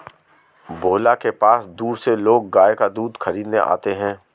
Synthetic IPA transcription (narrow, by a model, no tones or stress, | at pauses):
bʱoːlakepaːsd̪uːɾseloːɡ̚ːaːekad̪uːd̪xɐɾiːd̪nḛʔa̰ːt̪eɦɛ̃ː